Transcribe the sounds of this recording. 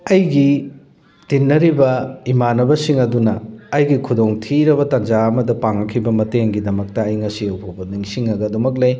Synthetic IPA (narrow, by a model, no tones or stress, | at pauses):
ɐjɡi | tinːɐɾibɐimanɐbɐsiŋɐdunɐːjɡikʰudoŋtʰiɾɐβɐtɐnd͡ʒaɐmɐdɐpaŋɐkʰibɐmɐteŋɡidɐmɐk̚tɐːjŋɐsiɐwpʰobɐniŋsiŋɐɡɐdumɐk̬̚lɐj